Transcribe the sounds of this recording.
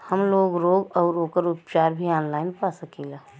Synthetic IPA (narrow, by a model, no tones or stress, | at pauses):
həmloːɡɾoːɡɔːɾoːkəɾʊpt͡ʃaːɾbʱiaːnlaːɪnpaːsəkiːlaː